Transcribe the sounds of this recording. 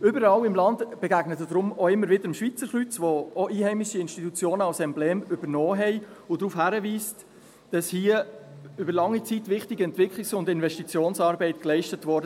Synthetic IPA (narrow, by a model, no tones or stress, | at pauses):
ʏbəɾɑlɪmlɑndb̥ɛɡæɡ̥nətəd̥ɾʊmoɪmːəɾʋɪdəɾəmʃʋit͡səɾχlyt͡sʋooʔiːhɛɪmɪʃiɪnʃtitut͡sjoːnəɑlsɛmblɛːmʏbəɾnɔːɦɛɪʊdɾuːfhæɾəviːst | d̥ɑshiəʏbəɾlɑŋːit͡sitvɪχtiɡəɛntvɪkχlɪksʊndɪnvɛʃtit͡sjoːnsɑːɾbɛɪtklɛɪʃtətvɔɾdə